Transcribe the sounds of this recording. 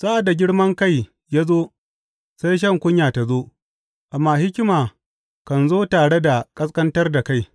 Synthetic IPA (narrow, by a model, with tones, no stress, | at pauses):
sa˦ʔa˨da˨ɡʲɪ˦ɽmɐ˦ŋka˦˨j | jaː˦zoː˦ | sa˦jʃ̬ɐ˦˨ŋkʷʊ˦ɲjaː˨ta˨zoː˦ | ʔa˨mːaː˦˨hɪ˦kʲɪ˦maː˨ | kɐ˨nzoː˦taː˨ɽe˦da˨kʼɐ˦skɐ˦ntɐ˦rda˨ka˦˨j